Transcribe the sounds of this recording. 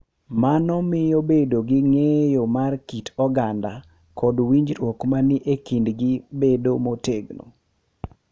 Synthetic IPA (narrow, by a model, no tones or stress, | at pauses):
manɔmɪjobedoɡɪŋejomarkitʰɔɡanda | kɔdwiɲd͡ʒɾwɔkmanɪʔekindɡɪbedomoteɡno̰